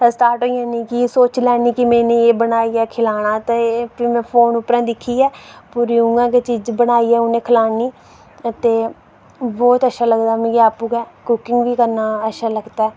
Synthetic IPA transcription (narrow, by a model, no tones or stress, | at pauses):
t̪əst̪aːʈɦoːijãːnĩːkɪsoːt͡ʃlɛːniːkɪmɛ̃ːneːeːbənaːiːɛːkʰɪlaːɽ̃aːt̪apimɛ̃ːpʰoːnʊpɾãːd̪ɪkʰːiːɛːpʊɾiũːŋɡãːket͡ʃiːd͡ʒbənaːiːɛːʊnẽːkʰəlaːniː | ət̪eː | bɔːt̪əʃaːləɡd̪aːmĩːɡeaːpuːkɛːkʊkɪŋɡʋiːkəɾnaːəʃaːləɡd̪aɛː